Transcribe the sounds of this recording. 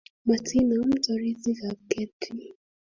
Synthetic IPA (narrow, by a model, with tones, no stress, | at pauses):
ma˨tʰi˦na˨˦m̩˦tɔ˨ɾi˦zi˦ka˨kɛ˦tʰi˦